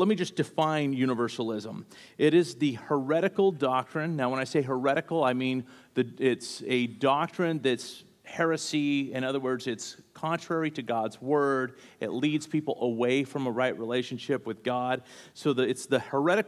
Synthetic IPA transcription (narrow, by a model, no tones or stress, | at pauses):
lɛt̚mid͡ʒʌsd̥ɨfãɪ̃njʉñəvɜ˞sl̩ˠɪzə̃m | ɪɾɪzðɨhə˞ɛɾɨkl̩ˠdɑk̚tɹ̥ɨ̃nːaʊwə̃ɾ̃aɪseɪɦə˞ɛɾɨkl̩ˠaɪmĩnðɨɪtsɨdɑk̚tɹ̥ɨ̃nðɨts | hɛɹɨsiɨ̃ñʌðə˞wɜ˞dzɨtskʰɑ̃ntʰɹ̥ɛɹiɾɨɡɑdzwɜ˞ɾɨ̰tˡlidz̥pʰipl̩ˠəweɪfɹʌ̃məɹaɪʔ̚ɹileɪʃnʃɪpwɨðɡɑd̥̚soʊðɨɪtsðɨhə˞ɛɾɨk